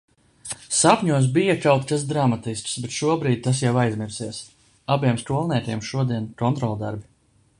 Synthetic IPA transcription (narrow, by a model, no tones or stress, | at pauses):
sapʲɲuɔs̬bijakawt̪kas̬d̪ɾamat̪isksbet̪ʃuɔbɾiːd̪̚ʲt̪as̬jawajzmiɾsiɛs | abiɛmskuɔlˠnʲɛːt̪ʲiɛmʃuɔd̪iɛnkɔnt̪ɾɔlˠd̪aɾbʲi